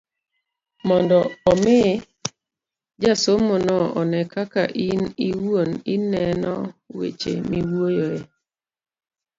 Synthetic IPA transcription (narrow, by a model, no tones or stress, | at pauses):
mɔndɔɔmɪ | d͡ʒasomonɔɔ̰nɛkaka̰ʔiniwuoninɛnɔwḛt͡ʃḛmiwuojoe